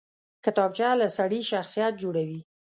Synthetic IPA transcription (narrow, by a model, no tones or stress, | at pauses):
kɪt̪ɑb̚t͡ʃalasaɽiʃaxsijat̪̚d͡ʒoɽawi